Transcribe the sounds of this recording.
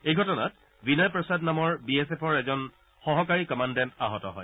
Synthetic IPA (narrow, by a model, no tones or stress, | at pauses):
ejɡʱɔtɔna̰t | binajpɹɔsadnamɔɹbiɛsɛpʰɔɹɛzɔn | xɔɦɔkaɹikɔmandɛntaɦɔtɔɦɔ̰j